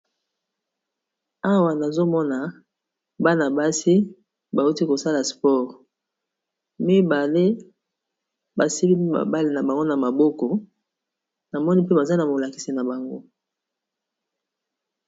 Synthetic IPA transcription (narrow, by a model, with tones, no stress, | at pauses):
a˦wa˨na˨zo˦mɔ˦na˨ | ba˦na˨ba˦si˦ | ba˨u˦ti˦ko˨sa˦la˨spɔ˦˨ʁ | mi˦ba˨le˦ | ba˨si˦bi˦a̰˨ba˦le˨na˨ba˨ŋɡo˦na˨ma˨bɔ˦kɔ˨ | na˨mɔ˦ni˦pe˦ba˨za˦na˨mo˨la˨ki˨si˨na˨ba˨ŋɡo˦